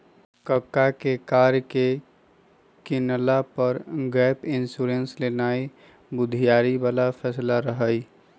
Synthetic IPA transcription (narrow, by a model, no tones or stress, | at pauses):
kəkːakekaːɾjke | kɪnlapəɾɡɛːpɪnsuɾenslenaːi | bʊd̪ʱijaːɾibaːlafʰɛːslaɾəɦəi